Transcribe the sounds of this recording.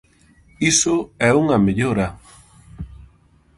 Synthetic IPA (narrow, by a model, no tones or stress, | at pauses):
isʊɛuŋameʎoɾa